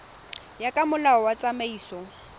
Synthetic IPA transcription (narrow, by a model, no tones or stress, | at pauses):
jakʼamʊlaɔwat͡sʼameiːsɔ